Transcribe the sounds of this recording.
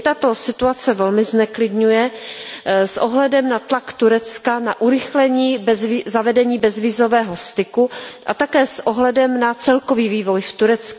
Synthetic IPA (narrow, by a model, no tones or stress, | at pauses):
t̪at̪o̞sɪt̪uat͡sɛvɛlmɪznɛklɪdɲujɛ | sʔoɦlɛdɛmnat̪lakt̪uɾɛt͡skanaʔuɾɪxlɛɲiːbzvizavɛdɛɲiːbɛzviːzovɛːɦost̪ɪkuʔa̰t̪akɛːsʔoɦlɛdɛmnat͡sɛlkoviːviːvo̞jft̪uɾɛt͡sku